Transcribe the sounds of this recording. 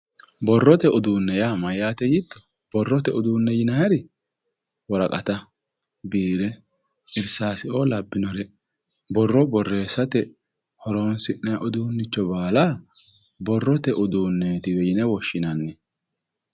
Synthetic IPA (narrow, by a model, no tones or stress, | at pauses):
bɔrːɔt̪ɛʊd̪uːnːɛjaːmɐjaːt̪ɛjɪt̪ːɔ̥ | b̥ɔrːɔt̪ɛʊd̪uːnːɛjɪnɐjɐɾɪ | wɔɾɐkʼɐt̪ɐ | biːɾɛ | ɪɾsaːsɪoːlɐbːɪnɔɾɛ | bɔrːɔbɔrːe̞ːsɐt̪ɛ | hɔɾoːnsɪnːɐjʔɔd̪uːnːɪt͡ʃːɔbaːlaː | bɔrːɔt̪ɛʔʊd̪uːnːɛt̪ɪwɛjɪnɛwɔʃːɪnɐnːɛ